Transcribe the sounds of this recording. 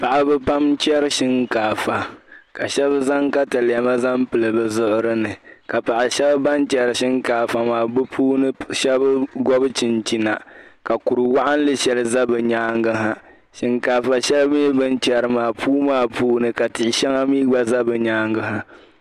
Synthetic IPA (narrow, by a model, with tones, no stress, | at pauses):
pa˨ʔa˨bɛ˦pa˦mt͡ʃɛ˦ɾɨ˦ʃɪ˦ŋkaː˨fa˨ka˨ʃɛ˦bza˦ŋka˦tɨ˨ljɛ˨ma˦za˦mpɨ˨lɨ˨bɨ˨zʊ˦ʔʊ˦ɾɨ˦nɨ˨ka˨pa˨ʔa˨ʃɛ˦ba˦ba˦nt͡ʃɛ˦ɾɨ˨ʃɪ˦ŋkaː˨fa˨maː˨bɨ˦pʰuː˦nɨ˦ʃɛ˦bɡɔ˦bɨ˦t͡ʃi˨nt͡ʃi˨na˨ka˨ku˨ɾɨ˨wa˦ʔa˦n˦lɨ˦ʃɛ˦lɨ˨za˦bɨ˨ɲaː˦ŋɡɨ˦ɦa˦ | ʃɪ˨ŋkaː˨fa˨ʃɛ˦lbjɛ˦bɨ˦nt͡ʃɛ˨ɾɨ˨maː˨pʰuː˦maː˦puː˦nɨ˨ka˨tɪ˨ʔɪ˨ʃɛ˦ŋa˦miː˦ɡ͡ba˦za˦bɨ˨ɲaː˦ŋɡɨ˨ɦa˨